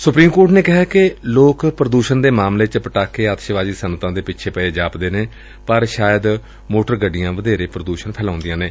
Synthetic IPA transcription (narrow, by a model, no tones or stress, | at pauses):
sʊpɾiːmkoːɾʈneːkɪɦaːkɪloːkpɾəd̪uːʃənd̪eːmaːmleːt͡ʃpəʈaːkːeːaːt̪ʃəʋaːd͡ʒiːsənt̪ãːd̪eːpɪːt͡ʃʰeːpɛeːd͡ʒaːpd̪eːneː | pəɾʃaːjəd̪ | moːʈəɾɡəɖɪjãːʋəd̪eːɾeːpɾəd̪uːʃənpʰɛːlãːʊ̃nd̪ɪjãːneː